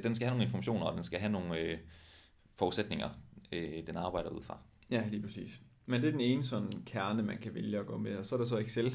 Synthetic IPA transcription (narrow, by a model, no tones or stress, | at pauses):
d̥ensɡ̥æhæno̝ːŋn̩e̝nfɒ̽mæɕo̝̰ːnɐɒd̥ensɡ̥æɦæno̝ːn̩ | fɒuðˠsed̥ne̝ŋɐød̥enɑ̈ːb̥ɑ̈ɪ̰ɾ̥ɐṵð̞̰ˠfʁɑ̈ | jæliːpʰʁɐsḭːs | mend̥e̝ɐd̥ene̝ːnəsɒ̽nkʰæɐnəmænkʰæʋeljəɒ̽ɡ̥ɔ̰̽ːmeɒ̽sɒ̽ɐɾ̥ɑs̬ɒ̽e̝ɡ̥sel